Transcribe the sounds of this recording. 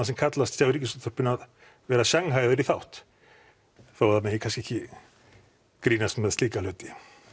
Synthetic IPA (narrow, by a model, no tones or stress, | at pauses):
asɛmkʰat̪last̪sjawɾicːɪsɔt̪ʰɔɾ̥pɪnað | vɛːɾasjaŋɦaːjðʏɾiθawht̪ | θawaɾðamɛjɛkʰanscɪɛhcɪ | kɾiːnast̪mɛðst̪liːkalʏːt̪ɪ